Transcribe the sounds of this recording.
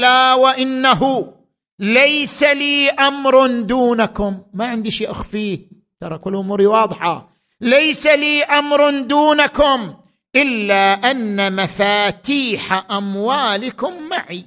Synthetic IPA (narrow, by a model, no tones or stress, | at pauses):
laːwaʔɪnːaɦʊ | lajsaliːʔamɾnd̪uːnakʊmːaʕɪnd̪iʃiːʔaxfiː | t̪ɑɾˤɑkʊlːʔʊmuːɾiwɑːðˤħɑ̰ | lajsaliːʔamɾnd̪uːnakʊm | ʔɪlːaʔanːamafaːt̪iːħaʔamwaːlɪkʊmːaʕi